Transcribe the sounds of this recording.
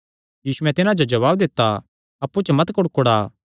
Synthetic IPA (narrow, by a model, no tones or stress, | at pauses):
jiːsuɛ̃t̪ɪnãd͡ʒod͡ʒɐβaːbd̪ɪt̪ːa | ɐpːut͡ʃmɐt̪kʊɽkʊɽaː